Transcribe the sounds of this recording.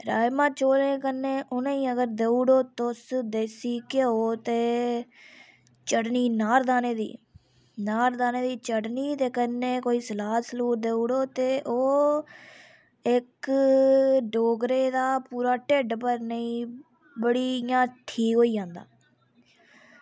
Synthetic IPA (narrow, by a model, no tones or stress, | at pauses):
ɾa̰ːɪmãːt͡ʃoːlẽːkənːeːʔʊnẽːĩːəɡəɾd̪eːuːɽoːt̪osd̪eːsiːkeoːt̪eː | t͡ʃəɽniːnaːɾd̪aːneːd̪ḭː | naːɾd̪aːneːd̪iːt͡ʃəɽniːt̪eːkənːẽːkoːiːsəlaːsəluːɾd̪eːuːɽoːt̪eːʔoː | ɪk | ɖoːɡɾeːd̪aːpuːɾaːʈeːɖpəɾnəĩː | bəɽiːjãːʈʰiːkɦoːiːd͡ʒãːnd̪a̰ː